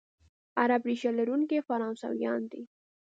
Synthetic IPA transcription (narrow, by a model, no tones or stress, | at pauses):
aɾabɾiʃalaɾuŋkefaɾɑnsa̰wjɑ̰nd̪i